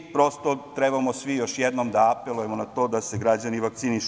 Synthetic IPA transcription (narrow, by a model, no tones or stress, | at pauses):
pɾo̞st̪ot̪ɾebamosʋijo̞ʃjed̪nomd̪aapelujemonat̪o̞ːd̪aseɡɾad͡ʑaniʋak̚t̪siniʃ